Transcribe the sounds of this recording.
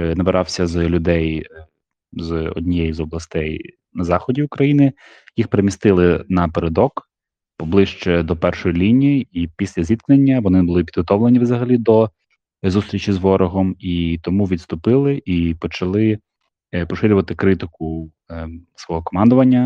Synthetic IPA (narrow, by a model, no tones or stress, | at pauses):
nɐbeɾɑwsʲɐzlʲʊd̪ɛj | zɔ̰dʲnʲijɛjizɔblˠɐst̪ɛj | nɐzɑxɔdʲiʊkɾɐjinɪ | jixpeɾemʲist̪ɪlˠɪnɐpeɾed̪ɔk | pɔblˠɪʃt͡ʃɛd̪ɔpɛrʃɔjilʲinʲijiipʲisʲlʲɐzʲit̪knenʲːɐʋɔnɪbʊlˠɪpʲid̪ɦɔt̪ɔʋlenʲiʋzɐɦɐlʲid̪ɔ | zust̪ɾʲit͡ʃizʋɔɾɔɦɔmit̪ɔmuʋʲid̪st̪ʊpɪlˠɪʔipɔt͡ʃɐlˠɪ | pɔʃɪɾʲʊʋɐt̪ɪkɾɪt̪ɪkʊ | sʋɔɦɔkɔmɑnd̪ʊʋɐnʲːɐ